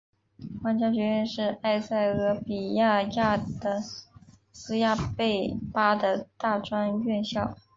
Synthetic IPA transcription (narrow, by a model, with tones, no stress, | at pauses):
xwa˥nt͡ɕjɑ˥ɕɥɛ˧˥ɥɛ˥˧nʂɻ̩˥˧a˥˧ɪsa˥˩ɪɤ˧˥pi˨˩ja˥˧ja˥˩d̪ə˩ | sɹ̩˥ja˥˧pe˥˩ɪpa˥d̪ə˨t̪a˥˩ʈ͡ʂwa˥nɥɛ˥˧nɕjɑ˥˩ʊ